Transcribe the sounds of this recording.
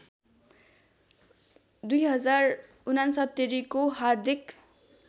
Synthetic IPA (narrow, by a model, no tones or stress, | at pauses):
d̪ujɦʌd͡zar | unansʌt̪ːeɾikoɦard̪ʱik